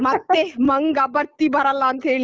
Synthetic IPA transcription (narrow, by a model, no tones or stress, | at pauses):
mat̪ːeɦməŋɡabəɾt̪ibəɾalant̪ʰel